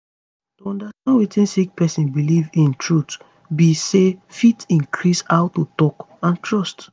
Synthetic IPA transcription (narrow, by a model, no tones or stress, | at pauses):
tuɔ̃ndastãnwetĩnsik̚pɛsĩnbilivĩntʰɹut | bisefitĩnkʰɹisaʊtutɔk | ãntɹɔst